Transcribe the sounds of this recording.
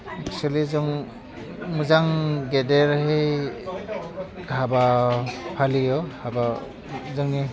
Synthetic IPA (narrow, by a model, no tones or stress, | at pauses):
ɛk̚sualizɔŋ | mɯzaŋɡedeɾhej | habapʰalijɔhaba | zɯŋni